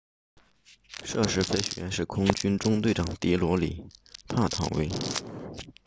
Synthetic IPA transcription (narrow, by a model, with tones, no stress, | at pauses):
ʂɤ˥˧˩ʂɻ̩˥fe˧˥ɪɕɛ˨˩ɛ˧˥nʂɻ̩˥˩kʰʊ˥ŋt͡ɕy˥nʈ͡ʂʊ˥ŋt̪we˥˩ɪʈ͡ʂɑ˨˩ŋt̪i˧˥lwɔ˧˥lḭ˨˩˦t̪ʰa˥˩t̪ʰɑ̰˨˩ŋwḛ˥ɪ